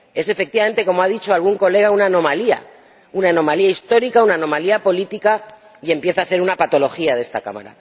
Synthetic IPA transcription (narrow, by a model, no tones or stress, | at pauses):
e̞se̞fe̞k̚t̪iβame̞nt̪e̞ko̞moaðit͡ʃo̞alɣuŋko̞le̞ɣ̞aunaːno̞malia̰ | unano̞maliaist̪o̞ɾikaunano̞maliapo̞lit̪ika | ie̞mpje̞θaːse̞ɾunapat̪o̞lo̞xiaðe̞st̪aka̰ma̰ɾa̰